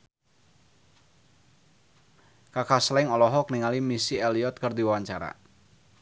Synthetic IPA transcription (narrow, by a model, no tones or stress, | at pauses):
kakaslɪŋɔlɔɦɔk̚niŋalimisiɛliɔt̪̚kɨrd̪iwawaɲt͡ʃaɾa̰